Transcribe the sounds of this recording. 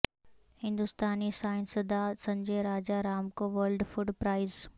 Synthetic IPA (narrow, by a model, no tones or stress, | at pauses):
hɪ̃nd̪ʊst̪aːnisaːɪnsəd̪asɐ̃ɲd͡ʒeɾaːd͡ʒaɾaːmkoʋəlɖfʊɖpɾaːɪz